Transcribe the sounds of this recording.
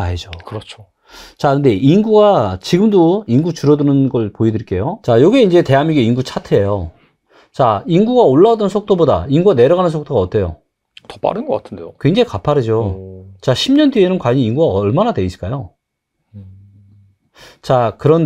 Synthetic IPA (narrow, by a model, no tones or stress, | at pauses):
aɦed͡ʑokɯɾʌt͡ɕʰo̥ | t͡ɕakɯnde̞ʔinɡuɡat͡ɕiɡɯmdoinɡut͡ɕuɾʌdunɯnɡʌɭpoidɯɭk͈e̞jot͡ɕajoɡieind͡ʑe̞te̞ɦamiɡeinɡut͡ɕʰatʰeejo | t͡ɕainɡuɡaoɭːaodʌnsʰok̚t͈oboda̰inɡuɡane̞ɾʌɣanɯnsʰok̚t͈oɡaʌt͈ʰe̞jo̰ | tʌ̥p͈a̰ɾɯnɡʌk͈atʰɯndeokweŋd͡ʑeikapʰaɾɯd͡ʑot͡ɕaɕʰimɲʌndienɯnkwaɲininɡuɡaʌɭmanade̞isɯɭk͈ajo | t͡ɕakɯɾʌn